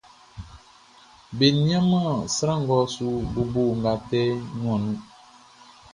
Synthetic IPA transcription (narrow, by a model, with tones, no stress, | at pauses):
be˨nĩ˦ã˦mã˦˨sɾã˦˨ŋ̩˦ɡɔ˦su˦bu˨bo˦˨ŋ̩˨ɡa˨tɛ˦ɲũ˨ɔ̃˨nũ˦